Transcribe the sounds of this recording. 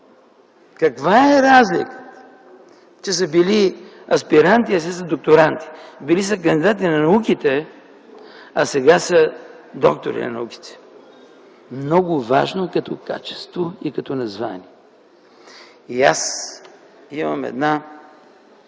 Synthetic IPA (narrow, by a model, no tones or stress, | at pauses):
kɐkvaɛɾazlʲḭkə̥t̪ | t͡ʃɛs̬əbili | ɐspiɾant̪iɐsɛs̬əd̪ok̚t̪oɾant̪i̥bilisək̬ɐnd̪id̪at̪̬inɐnɐukit̪ɛ | ɐsɛɡasə | d̪ɔ̰k̚t̪o̰ɾḭnɐ̰nɐ̰uki̥t̪ɛ̥ | mnɔɡʊva̰ʒnokɐt̪ɔka̰t͡ʃɛ̥st̪voikɐt̪ɔnɐzvanʲiɛ | ia̰s | imɐmɛ̰d̪na